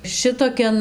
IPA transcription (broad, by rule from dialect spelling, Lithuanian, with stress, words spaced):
ˈʃʲɪtoːkʲɛn